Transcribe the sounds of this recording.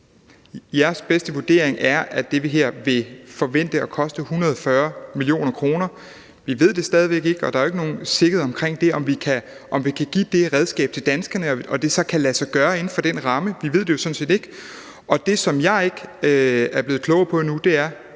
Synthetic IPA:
jæɐsb̥esd̥əʋuɐd̥e̝̰ɐ̰eŋʔæɐʔæd̥e̝ʋeɦeɐ̰ʋe̝fɒ̽ʋen̰d̥əɒ̽kʰɒ̽sd̥əhunʁɐð̞ˠɒfɶːɐmilijo̝̰ːnɐkʰʁo̝ːnɐ | ʋiʋe̝ð̞̰ˠd̥e̝sd̥ɛːð̞ˠiʋeɡ̥e̝ɡ̥ɒ̽d̥ɑ̈ɐoe̝ɡəno̝ːn̩se̝ɡ̥əð̩ˠɒ̽mkʰʁeŋ̰d̥e̝ɒ̽mʋikʰæ | ʔɒ̽mʋikʰæɡ̥ḭːd̥e̝ʁɛð̞ˠsɡ̥ɛ̰ːb̥̚t͡sʰe̝ld̥ænsɡ̥ɐnəɒɒ̽d̥e̝sɒ̽kʰælæsɑɡ̥ɶːɐe̝n̩fɒ̽d̥en̰ʁɑ̈məʋiʋe̝ð̞̰ˠd̥ejo̝sɒ̽n̩se̝̰ːd̥e̝ɡ̥ | ʔɒ̽d̥e̝sɒ̽mjɑ̈ɪe̝ɡ̥ | æɐb̥le̝ːð̩ˠkʰlɔ̽ʊpʰɒ̽enud̥e̝æɐ

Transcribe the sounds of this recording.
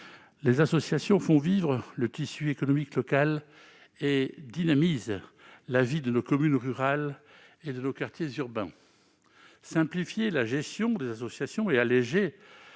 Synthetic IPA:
lezasɔsjasjɔ̃fɔ̃vivʁələt̪isyekɔnɔmiklɔkal | ed̪inamiz | lavid̪ənokɔmynʁyʁal | ed̪ənokaʁt̪jezyʁbɛ̰̃ | sɛ̃plifjelaʒɛst̪jɔ̃d̪ezasɔsjasjɔ̃ealeʒe

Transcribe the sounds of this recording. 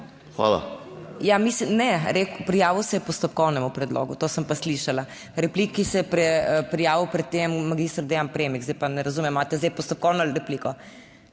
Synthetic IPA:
xa̰ːla̰ | jamislimnɛɾeːkpɾijaːʋiwsɛjɛpɔst̪ɔpkɔwnɛmupɾɛd̪lo̰ːɡut̪oːsəmpasliʃala | ɾɛplikːisɛjɛpɾɛpɾijaːʋiwpɾɛt̪̚t̪ːemmːaɡiːst̪ɾd̪ejampɾeːmiɡzɛjpanɛɾɐzuːmɛmːaːt̪ɛzd̪ɛjpɔst̪ɔp̚kɔwnɔɾɛplikɔ

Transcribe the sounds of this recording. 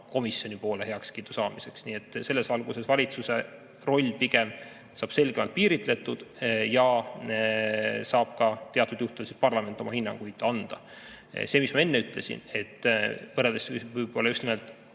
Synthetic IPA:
ko̞misjo̞nipo̞ːlehe̞ɑkskiːd̪̥usɑːmise̞ksniːe̞t̪ːˑse̞lːe̞sɑlɡuse̞svɑlʲit̪suse̞ | ro̞lʲːpiɡ̥em | sɑːb̥se̞lɡ̥emɑlt̪̚piːɾit̪ˑle̞t̪ːud̪̥jɑ | sɑːb̥̚kɑt̪e̞ɑt̪ːˑud̪̥juht̪ulsispɑrlɑme̞nt̪ːˑo̞mɑhinːɑ̰ŋɡ̥ujd̪̥ɑnd̪̥ɑ̰ | se̞ːmismɑe̞nːeyt̪ˑle̞sḭne̞t̪ːˑvɤreld̪esvɯjbo̞lːɑjyst̪imelt̪ˑ

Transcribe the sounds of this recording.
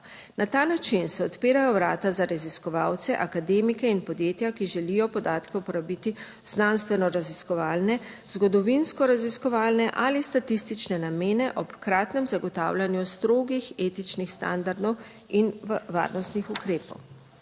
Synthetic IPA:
nʔat̪aːnat͡ʃinsɛɔt̪piːɾajɔwɾaːt̪azaɾaziskɔʋaːwt̪sɛʔakad̪eːmikɛinpɔd̪jeːt̪jakiʒɛlijɔpɔd̪aːt̪kɛupɔɾabit̪i | znanst̪ʋɛnɔɾaziskɔʋaːlnɛ | zɡɔd̪ɔʋinskɔɾaziskɔʋaːlnɛʔalist̪at̪ist̪it͡ʃnɛnameːnɛʔɔpkɾaːt̪nɛmzaɡɔt̪a̰wlʲanjust̪ɾoːɡixeːt̪it͡ʃnixst̪a̰nd̪aɾd̪ɔw | inʋa̰ːɾnɔst̪nixukɾeːpɔ̰w

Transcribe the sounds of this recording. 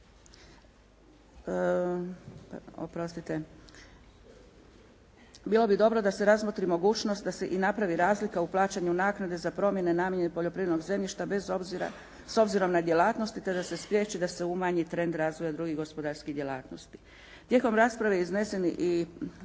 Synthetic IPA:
o̰pɾost̪it̪e̞ | bilˠo̞bid̪o̞bɾo̞d̪ase̞ɾazmot̪ɾimo̞ɡuːt͡ʃno̞st̪d̪ase̞ʔinapɾaʋiɾaːzlikauplˠaːt͡ʃaɲunaːknad̪e̞zapɾo̞mje̞ne̞namjeɲenipoʎo̞pɾijed̪no̞ɡze̞mʎiʃt̪abezobiɾa̰ | so̞bziɾo̞mnad̪jelaːt̪no̞st̪it̪e̞d̪ase̞spɾjeːt͡ʃid̪ase̞umaɲit̪ɾe̞nd̪ɾaːzʋo̞jad̪ɾuɡiɣɡo̞spo̞d̪aɾskid̪jelˠaːt̪no̞st̪i̥ | t̪je̞ko̞mɾaːspɾaʋeizne̞seniʔi

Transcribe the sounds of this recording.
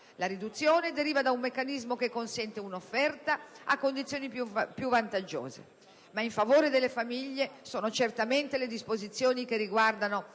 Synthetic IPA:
laɾid̪ut̪sːjoːned̪eɾiːvad̪aumːekːanizmokekːonsɛnt̪eunofːɛrt̪aakːond̪it̪sːjoːnipupjuvant̪ad͡ʒo̰ːzḛ | maiɱfavoːɾed̪elːefamiʎːesoːnot͡ʃert̪ament̪eled̪ispozit̪sːjoːnikeriɡward̪ano

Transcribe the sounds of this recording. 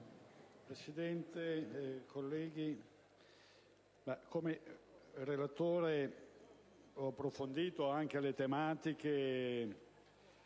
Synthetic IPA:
pɾesid̪ɛnt̪ekʰolːɛːɡi | makomerelat̪oːɾe | ɔapːɾofond̪iːt̪oaŋk̟elet̪emaːt̪ike

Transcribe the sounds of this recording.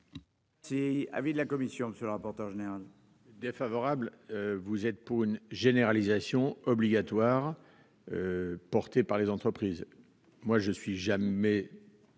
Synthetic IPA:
sia̰vid̪lakɔmisjɔ̃məsjəlʁapɔʁt̪œʁʒeneʁal | d̪efavɔʁabløvuzɛt̪̚puʁynʒeneʁalizasjɔ̃ɔbliɡʲat̪waʁ | øpɔʁt̪epaʁlezɑ̃t̪χəpχiːz | mwaʒəsɥiʒamɛ

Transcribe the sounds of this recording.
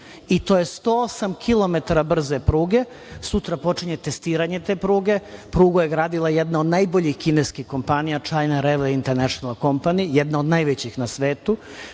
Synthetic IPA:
it̪ojest̪oosamkʰilˠo̞me̞t̪aɾabr̩zepɾuːɡe̞ | sut̪ɾapo̞t͡ʂiɲe̞t̪est̪iːɾaɲe̞t̪e̞ːpɾuːɡe̞pɾuːɡojeɡɾaːd̪ilˠajed̪nao̞d̪najboʎixkineskixko̞mpanijat͡ʃaːjnaɾeʋeint̪eɾnaʃonalˠko̞mpanijed̪naod̪najʋet͡ɕixnasʋeːt̪u

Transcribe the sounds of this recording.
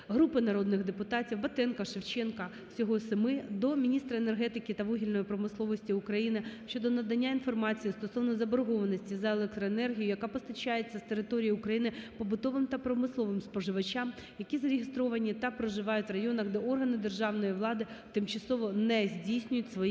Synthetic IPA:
ɦɾupɪnɐɾod̪nɪxd̪epʊt̪ɑtʲiwʋɐt̪ɛnkɐʃɪwt͡ʃɛnkɐ | sʲɔɦɔsɪmɪd̪ɔmʲinʲist̪ɾɐenerɦɛt̪ɪkʲɪt̪ɐʋuɦʲilʲnɔjipɾɔmɪslˠɔʋɔsʲtʲiʊkɾɐjinɪʃt͡ʃːɔd̪ɔnɐd̪ɐnʲːainfɔrmɑt͡sʲijist̪ɔsɔʋnɔzɐbɔɾɔɦɔʋɐnɔsʲtʲizɐelˠɛk̚t̪ɾɔenɛrɦʲijʊjɐkɑpɔst̪ɐt͡ʃajet͡sʲːɐst̪eɾɪt̪ɔɾʲijiʊkɾɐjinɪpɔbʊd̪ɔʋɪmt̪ɐpɾɔmɪslˠɔʋɪmspɔʒɪʋɐt͡ʃʲam | jɐkʲizɐɾʲɪɦʲɪst̪ɾɔʋɐnʲit̪ɐpɾɔʒɪʋɑjʊtʲʋrɐjɔnɐɣd̪ɛɔrɦɐnɪd̪erʒɑʋnɔjiʋlˠɑd̪ɪt̪ɪmt͡ʃɐsɔʋɔnɛzʲdʲijsʲnʲʊjʊtʲsʋɔ

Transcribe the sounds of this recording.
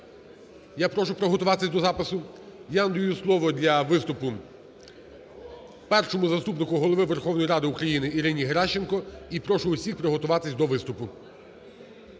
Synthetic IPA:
japɾɔʃʊpɾɔɦɔt̪ʊʋɑt̪ɪsʲd̪ɔzɑpɪsʊjaɐnd̪ʊjuslˠɔʋɔd̪ʲlʲɐʋɪst̪ʊpʊ | pɛrʃɔmʊzɐst̪upnɪkʊɦɔlˠɔʋɪʋerxɔwnɔjɾɑd̪ɪukɾɐjinɪiɾɪnʲiɦeɾɑʃt͡ʃenkɔipɾɔʃʊːsʲixpɾɔɦɔt̪ʊʋɑt̪ɪsʲd̪ɔʋɪst̪ʊpʊ

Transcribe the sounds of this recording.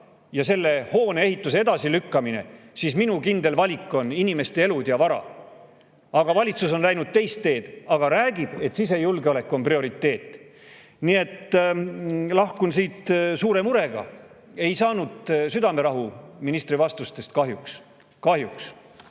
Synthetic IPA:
jɑse̞lːe̞ho̞ːneeɦit̪ːˑus̬e̞e̞d̪̥ɑsilykːɑmine̞̰sisminukind̪e̞lvɑlʲikːˑo̞ninime̞st̪ee̞lud̪̥jɑvɑɾɑ̰ | ɑɡ̥ɑvɑlʲit̪suso̞nlæjnud̪̥̚t̪e̞jst̪ːe̞ːd̪̥ɑɡ̥ɑɾæːɡ̥ib̥e̞t̪sis̬e̞julɡeo̞le̞kːˑuo̞nprio̞ɾit̪ˑːe̞ːt̪ːˑ | nie̞t̪ː | lɑhkunsiːt̪suːɾe̞muɾe̞ɡ̥ɑ̰e̞jsɑːnud̪̥syd̪ɑme̞ɾɑɦuminist̪rivɑst̪ust̪e̞st̪̚kɑɦjuks | kɑhɦjuks

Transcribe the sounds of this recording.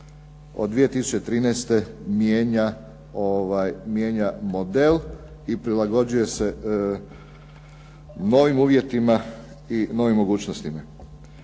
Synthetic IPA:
od̪ʋije̞t̪isu̥t͡ɕt͡ʃet̪ɾiːnɛst̪e̞mjeːɲa | oʋajmjeːɲamo̞d̪el | ipɾilaɡo̞d͡ʑuje̞se̞ | no̞ʋimuːʋje̞t̪ima | ino̞ːʋimːo̞ɡuːt͡ɕnost̪ima

